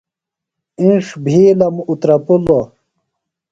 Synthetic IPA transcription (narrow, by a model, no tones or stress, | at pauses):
ĩʂbʱiːlɐmut̪ɾɐpulo